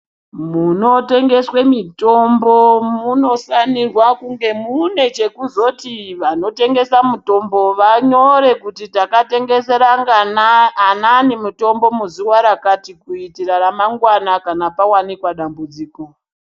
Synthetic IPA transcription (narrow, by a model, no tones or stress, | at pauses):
muno̞te̞ŋɡe̞swemito̞mbo̞muno̞sanirwakuŋɡe̞mune̞t͡ʃe̞kuzo̞tiʋano̞te̞ŋɡe̞samuto̞mbo̞ʋaɲo̞ɾe̞kutitakate̞ŋɡe̞se̞ɾaŋɡanananemuto̞mbo̞muzuwaɾakatikuitiraɾamaŋɡwanakanapawanikwaɗambud͡ziːko̞